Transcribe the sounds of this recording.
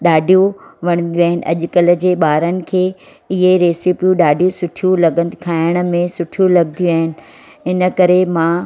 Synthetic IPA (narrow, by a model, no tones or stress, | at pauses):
ɗaːɖʱijũʋɐɽ̃ə̃nd̪ijuaːɦɪnɪ̆ʔɐ̰ʄ̆kɐlə̆d͡ʑeːɓaːɾənɪ̆kʰeː | ɪɦeɾeːsipijũɗaːɖʱijũsʊʈʰijũlɐɡənkʰaːɪəɽ̃̆mẽsʊʈʰijulɐɡnijuaːɦɪnɪ̆ | ɪnə̆kɐɾemãː